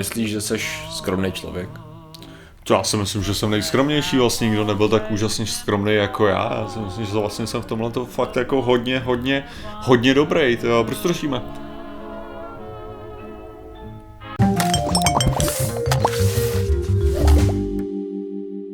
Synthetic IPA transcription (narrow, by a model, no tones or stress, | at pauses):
ɪsliːʒʒɛsɛʃskɾomnejt͡ʃlo̰vjɛk | t̪ojaːsɪmɪslɪmʒɛsɛmnɛjskɾo̞mɲɛjʃiːvlasɲɛɲɪɡdonɛbɪlt̪akuːʒasɲɛskɾomnejjako̞ja̰ːja̰ːsɪmɪslɪmʒɛvlastɲɛsɛmft̪o̞mlɛt̪ofak̚t̪jako̞ɦo̞dɲɛɦo̞dɲɛ | hodɲɛdo̞bɾejt̪pɾot͡ʃt̪ɾoʃiːmɛ